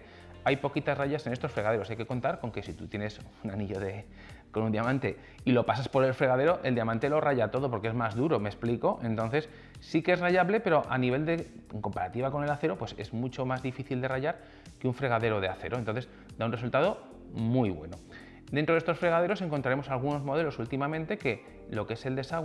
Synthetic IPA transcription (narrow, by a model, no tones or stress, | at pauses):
ajpo̞kit̪azraʝase̞nest̪o̞sfɾe̞ɣaðeoajke̞ko̞nt̪aɾko̞ŋke̞sit̪ut̪jene̞sunaniʎo̞ðe̞ | ko̞nund̪iamãnt̪e̞ | ilo̞pasaspo̞ɾe̞lfɾe̞ɣaðe̞ɾo̞ʔe̞ld̪iamãnt̪e̞lo̞raʝat̪o̞ðo̞p̬o̞ɾke̞emazðuɾo̞me̞spliko̞ʔe̞nt̪o̞nθe̞sː | ikeeraʝaβle̞pe̞ɾo̞ʔaniβ̞e̞ld̪e̞eŋko̞mpaɾat̪iβako̞ne̞laθe̞ɾo̞pwe̞se̞̰zmut͡ʃo̞mazðifiθild̪e̞raʝaɾ | keuɱfɾe̞ɣ̞aðe̞ɾo̞ð̞eaθe̞ɾo̞nt̪onθ̬e̞z | d̪aunre̞s̬ult̪að̞o̞ | mujβwe̞̰no̞̰ | d̪ent̪ɾðest̪o̞sfɾe̞ɣaðe̞ɾo̞s̬e̞ŋkont̪ɾaɾemo̞salɣ̞uno̞zmo̞ðe̞lo̞sult̪imamẽ̞nt̪e̞ke̞ | lo̞kee̞se̞ld̪e̞saɣw